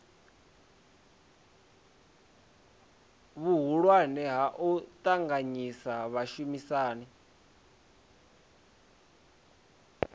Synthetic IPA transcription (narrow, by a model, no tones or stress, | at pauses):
βuɦuɺwanɛɦaʔut̪ʼaŋɡaɲisaβaʃumisaːni